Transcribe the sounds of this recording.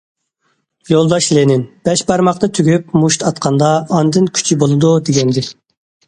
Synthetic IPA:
jolˠd̪ɑʃlenɪnb̥ɛʃbɑɾmɑqnɨt̪ʰyɡʲypmuʃt̪ɑt̪qʰɑnd̪ɑːnd̪ɨnkʲʰy̥t͡ʃʰibolˠɨd̪ud̪eɡʲɛnd̪ɪ

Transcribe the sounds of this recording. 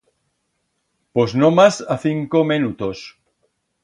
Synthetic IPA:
poznomasaθiŋkomenut̪os

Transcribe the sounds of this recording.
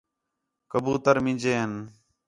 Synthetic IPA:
kəbuːt̪əɾmɪ̃nd͡ʒeːɦn

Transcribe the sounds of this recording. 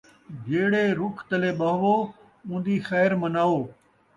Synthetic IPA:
d͡ʒeːɽeɾʊkʰt̪əleːɓɐɦʋoː | ʊ̃ːn̆d̪iːxɛːɾmɐnaːoː

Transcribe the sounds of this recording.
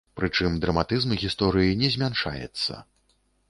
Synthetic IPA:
pɾɨt͡ʂɨmd̪ɾɐmat̪ɨzmɣʲist̪ɔɾɨjinʲɛzʲmʲanʂa̰jɛ̰t̪sːɐ̰

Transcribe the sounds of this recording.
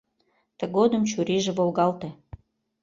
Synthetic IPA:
t̪əɣod̪əmt͡ɕuɾiʒĕβolɣɑlt̪ĕ

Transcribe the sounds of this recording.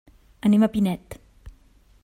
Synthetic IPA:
əneməpinɛt̪

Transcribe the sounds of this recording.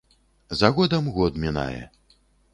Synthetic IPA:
zaɣɔd̪ɐmɣɔd̪mʲina̰jɛ̰

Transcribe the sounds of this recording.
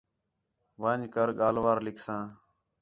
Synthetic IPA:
ʋãːɲkəɾɠaːlʋaːɾlɪkʰsãː

